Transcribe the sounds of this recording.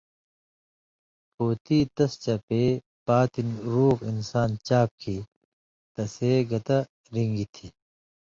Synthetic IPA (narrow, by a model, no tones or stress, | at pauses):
poːt̪it̪ɐst͡ɕɐpe | paːt̪inɾuːkinsaːnt͡ɕaːp̚kʰi | t̪ɐseɡɐt̪ɐ | ɾiŋɡit̪ʰiː